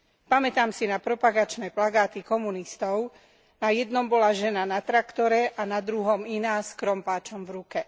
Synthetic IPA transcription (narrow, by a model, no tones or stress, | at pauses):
pamɛt̪aːmsinapɾɔpaɡat͡ʃnɛplaɡaːt̪ikɔmunist̪ɔʊ | najɛd̪nɔmbɔlaʒɛnanat̪ɾakt̪ɔɾɛʔanad̪ɾuɦɔminaːskɾɔmpaːt͡ʃɔmvɾukɛ